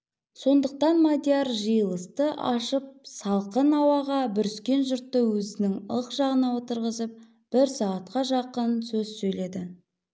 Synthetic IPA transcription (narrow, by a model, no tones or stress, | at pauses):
so̞nd̪əq̚t̪ɑnmad̪ʲeaɾʒəjəlˠəst̪əʔɑʃəp̚sɑlˠqənɑwɑʁɑbʏɾʏskʲe̞nʒʊɾt̪ːəwɵzɪnɪŋəqʒ̥ɑʁənɑwo̞t̪əɾʁəzəp̚ | b̥ɪɾsɑɑt̪̚qɑʒɑqənsɵzsɵjle̞d̪ɪ